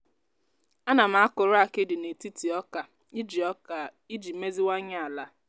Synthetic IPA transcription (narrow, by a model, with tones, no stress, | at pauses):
a˦na˨m̩˨a˦kʊ˨ɾʊ˦a˨ke˦dɪ˨ne˨ti˦ti˨ɔ˦ka˨˦ | d͡ʒ | i˦d͡ʒi˨me˦zi˦wa˦ɲa˦a˨la˦